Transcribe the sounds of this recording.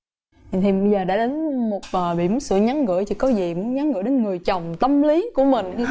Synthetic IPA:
t̪ʰi˨˩ɓə˧jzəː˨˩ɗa̰ː˧˥ɗe˨˦nmo˨˩t̚ʔəː˨˩ɓḭ˧˨mu˨˦nsɨ̰˧˨ɲa˨˦nŋɨ̰˧˨jt͡ɕḭ˧˩kɔ˨˦zi˨˩mu˨˦nɲa˨˦nɣɨ̰˧˥jɗe˨˦nŋɨ˨˩əjt͡ɕə˨˩wŋ͡mt̪ə˧mli˨˦ku˧˩əmï˨˩ŋ̟˧

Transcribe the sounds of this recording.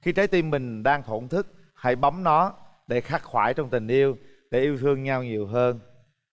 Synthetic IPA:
xi˧t͡ɕəː˨˦jt̪i˧mːï˨˩ŋ̟ɗaː˧ŋt̪ʰo˧˩nt̪ʰɨ˦˥k̚ | ha̰˧˩jɓa˨˦wŋ͡mnɔ˨˦ɗe˧˩xaː˦˥k̚xwaː˧˩jt͡ɕɔ˧wŋ͡mt̪ï˨˩ŋ̟ʔi˧əwɗe˧˩ʔi˧əwt̪ʰɨ˧əŋɲa˧wɲi˨˩əwɦəː˧n

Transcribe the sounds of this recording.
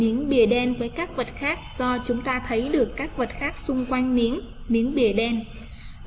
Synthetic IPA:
i˨˦ənɓi˨˩əɗɛ˧nvəː˨˦jkaː˦˥k̚və˨˩t̚xaː˦˥k̚z̥ɔ˧t͡ɕʊ˨˦ŋ͡mt̪aː˧t̪ʰə˨˦jɗɨ˨˩əkːaː˦˥k̚və˨˩t̚xaː˦˥k̚sʊ˧ŋ͡mkwa˧jŋmi˨˦ən | mi˨˦ənɓi˨˩əɗɛ˧n

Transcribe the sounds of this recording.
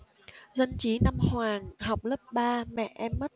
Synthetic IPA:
zə˧nt͡ɕi˨˦na˧mhwaː˨˩ŋha˨˩wk͡p̚lə˦˥p̚ɓaː˧mɛ̰˧˨ʔɛ˧mːə˦˥t̚

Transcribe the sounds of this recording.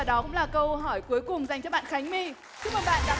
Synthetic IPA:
a˨˩ɗɔ˨˦kʊ̰˧˥ŋ͡mlaː˨˩kə˧wɦɔ˧˩jku˨˦əjkʊ˨˩ŋ͡mza˨˩jŋ̟t͡ɕɔ˧˦ɓa̰ː˧˨nxa˨˦jŋ̟mi˧ | t͡ɕɨ˦˥k̚məː˨˩ɓa̰ː˧˨nɗa̰ː˧˥

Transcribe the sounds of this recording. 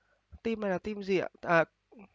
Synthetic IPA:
t̪i˧ma˨˩laː˨˩t̪i˧mzi˨˩a̰˧˩t̪ː

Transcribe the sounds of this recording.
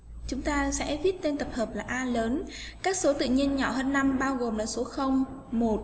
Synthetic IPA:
t͡ɕʊ˨˦ŋ͡mt̪aː˧sɛ̰˧˥vi˦˥t̚t̪e˧nt̪ə˨˩p̚həː˨˩p̚laː˨˩ʔaː˧ləː˨˦nkaː˦˥k̚so˨˦t̪ɨ̰˧˨ɲi˧ənɲɔ̰˧˩həː˧nːa˧mɓaː˧wɣo˨˩mlaː˨˩so˨˦xə˧wŋ͡m | mo˨˩t̚

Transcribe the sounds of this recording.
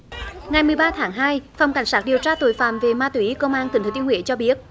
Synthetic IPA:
ŋa˨˩jmɨ˨˩əjɓaː˧t̪ʰaː˨˦ŋɦaː˧jfa˨˩wŋ͡mka˨˧˩jŋsaː˦˥k̚ɗi˨˩əwt͡ɕaː˧t̪o̰˧˩˦jfa̰ː˧˩mve˨˩maː˧t̪wi˨˦kə˧wŋ͡mʔaː˧nt̪i˨˦ŋt̪ʰːt̪i˧ŋhwḭ˧˦t͡ɕɔ˧ɓi˦˥ət̚

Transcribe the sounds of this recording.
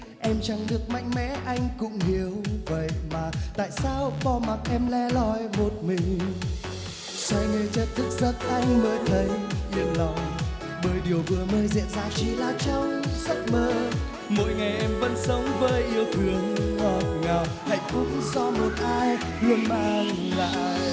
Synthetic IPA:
ʔɛ˧mt͡ɕa˧˩ŋɗɨ˨˩ək̚ma̰˧˨jŋ̟mɛ̰˧˥ʔa˧jŋ̟kʊ̰˧˥ŋ͡mhi˨˦əwvə̰˧˨jmaː˨˩t̪a̰ː˧˨jsaː˧wɓɔ˧ma˨˩k̚ʔɛ˧mlɛ˧˥lɔ˧˩jmo˨˩t̚mï˨˩ŋ̟ | sɔ˧jne˧t͡ɕə˦˥t̚t̪ʰɨ˦˥k̚zə˦˥t̚ʔa˧jŋ̟məː˨˦jt̪ʰə˨˦jʔi˧ənlɔ˨wŋ͡m | ɓəː˨˦jɗi˨˩əwvɨ˨˩əməː˧jzɛ̰˧˨nzaː˧wt͡ɕi˧˩laː˨˩t͡ɕɔ˧wŋ͡msa˦˥jk̚məː˧ | mo̰˧˥jŋa˨˩jʔɛ˧mvə̰˧˥nsə˨˦wŋ͡mvəː˨˦jʔi˧əwt̪ʰɨ˨˩əŋhaː˧˩ŋa˨˩wha̰˧˨jŋfʊ˨˦ŋ͡mzɔ˧mo˨˩t̚ʔaː˧j | lɨ˧ənmaː˧ŋ | ŋa̰ː˧˨jj

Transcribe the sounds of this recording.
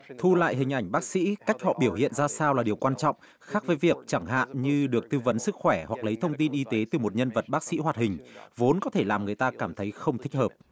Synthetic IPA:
t̪ʰu˧la̰ː˧˨jɦï˨˩ŋ̟ʔa˧˩jŋ̟ɓaː˦˥k̚sḭ˧˥ka˦˥jk̟̚hɔ̰˧˨ɓi˧˩əwhḭ˧˨ənzaː˧saː˧wlaː˨˩ɗi˨˩əwkwaː˧nt͡ɕɔ̰˧˨wŋ͡m | xaː˦˥k̚vəː˨˦jvi˨˩ək̚t͡ɕa˧˩ŋɦa̰ː˧˨nɲɨ˧ɗɨ˨˩ək̚t̪ɨ˧və˨˦nsɨ˦˥k̚xwɛ˧˩hwa˨˩k̚lə˨˦jt̪ʰə˧wŋ͡mt̪i˧nʔi˧t̪e˨˦t̪ɨ˨˩mo˨˩t̚ɲə˧nvə˨˩t̚ɓaː˦˥k̚sḭ˧˥ɦwaː˨˩t̚hï˨˩ŋ̟vo˨˦nkɔ˨˦t̪ʰe˧˩laː˨˩mŋɨ˨˩əjt̪aː˧kaː˧˩mt̪ʰə˨˦jxə˧wŋ͡mt̪ʰï˦˥k̟̚həː˨˩p̚

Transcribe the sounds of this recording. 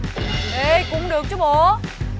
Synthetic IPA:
ʔe˧˩kʊ̰˧˥ŋ͡mɗɨ˨˩ək̚t͡ɕɔ˨˧˦ɓo˧˨

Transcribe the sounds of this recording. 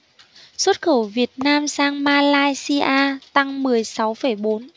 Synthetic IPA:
swə˦˥t̚xə˧˩wvi˨˩ət̚naː˧msaː˧ŋmaː˧laː˧jsi˧ʔaː˧t̪a˧ŋmɨ˨˩əjsa˨˦wfə˧˩jɓo˨˦n

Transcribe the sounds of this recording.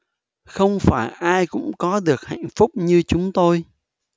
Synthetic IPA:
xə˧wŋ͡mfaː˧˩jʔaː˧jkʊ̰˧˥ŋ͡mkɔ˨˦ɗɨ˨˩ək̚ha̰˧˩˨jŋ̟fʊ˦˥k͡p̚ɲɨ˧t͡ɕʊ˨˦ŋ͡mt̪o˧j

